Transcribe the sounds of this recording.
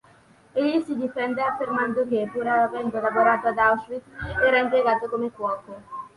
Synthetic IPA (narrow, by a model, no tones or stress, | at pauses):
eʎisid̪ifɛnd̪eafːermand̪okepiɾaavɛnd̪olavoɾaːt̪oad̪awsɾit̪ːɛːɾaimpjeɡaːt̪okomekwɔːke